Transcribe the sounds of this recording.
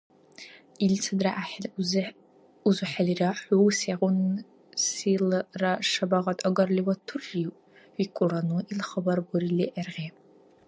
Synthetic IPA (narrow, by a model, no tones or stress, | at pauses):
ilt͡sʰadraʔaħlz | uzʊħaliraħuwseʁʷʊn | silraʂabaʁatʼaɡɐrliwatʰurːiʔʼ | wikʷʼʊranuʔilχəbarɡʷʊriliʔarʁʲe